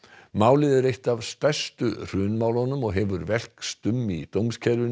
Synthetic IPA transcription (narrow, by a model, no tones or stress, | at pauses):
maːwlɪðɪɾejht̪avst̪ajst̪ʏr̥ʏːnmaːwlhɔnʏmɔɣɦɛvʏɾvɛl̥kst̪ʏmːit̪owmscʰɛɾʏ